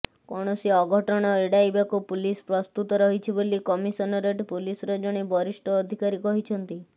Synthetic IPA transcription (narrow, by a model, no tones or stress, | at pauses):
kɔɽ̃ɔsiɔɡʱɔʈɔɽ̃ɔeɽajbakupulispɾɔst̪ut̪ɔɾɔɦit͡ʃʰibolikɔmisɔnɔɾeʈpulisɔɾɔd͡ʒɔɽ̃ibɔɾisʈɔːd̪ʱikaɾikɔɦit͡ʃʰɔnt̪i